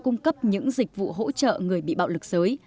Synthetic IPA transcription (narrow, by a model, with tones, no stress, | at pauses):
kʊ˧ŋ͡mkə˦˥p̚ɲɨ̰˧˥ŋzï˨˩k̟̚vṵ˧˨ɦo̰˧˥t͡ɕə̰ː˧˨ŋɨ˨˩əjɓḭ˧˨ɓa̰˧˨wlɨ˨˩k̚z̥əː˨˦j